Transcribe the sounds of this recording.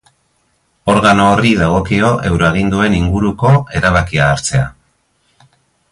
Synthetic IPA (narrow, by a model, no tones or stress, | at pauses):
o̞ɾɣano̞ːriðaɣ̞o̞kio̞ʔe̞̰wɾoeɣ̞ind̪ue̞niŋɡuɾuko̞e̞ɾaβ̞akiaːɾt͡se̞a